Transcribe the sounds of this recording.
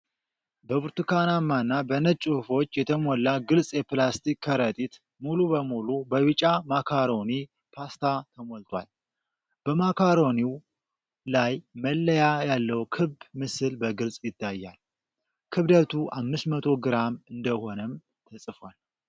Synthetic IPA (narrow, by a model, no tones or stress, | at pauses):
bəbuɾt̪ukʰanamːanːabənət͡ʃʼːuhfo̞t͡ʃːjɛt̪ʰəmɔlːaɡɨlsʼjɛplast̪ʰikʰːəɾət̪ʼit̪ | mulubəmulubəwɨt͡ʃʼamakʰaɾo̞ni | pʰast̪ʰat̪ʰəmɔlt̪ʰʼwa̰l | b̥əmakʰaɾo̞niw | lajməlːəjajalːəwkʰɨbmɨsɨlbəɡɨlsʼjɪt̪ːajːal | kʰɨβd̪ət̪ʰuʔamːɨsmət̪ʰo̞ɡɨɾamɨnd̪əho̞nəm | t̪ʰəsʼɨfwal